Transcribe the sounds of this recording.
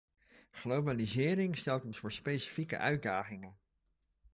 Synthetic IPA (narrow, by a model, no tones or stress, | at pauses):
χlowbalizɪːɾɪŋstɛlˠtɔnsvʊːɹspejsi̥fikə̰ʔœɥt̚daːχɪŋən